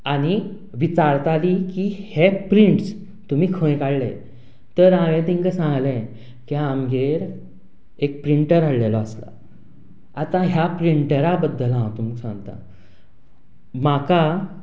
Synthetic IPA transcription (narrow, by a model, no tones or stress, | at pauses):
aɽ̃i | ʋit͡saɾt̪aliːkiːhepɾiɳʈs | t̪um̤iːkʰə̃ẽkaɽlḛ | t̪əɾãʋẽt̪iŋkəsãŋɡlɛ̃ | kiamɡeɾ | ek̚pɾiɳʈəɾaɽlelɔəsla̰ | at̪ãɦjapɾiɳʈəɾabəd̪ːəlãwt̪uməksã̰ŋɡt̪a̰ | maka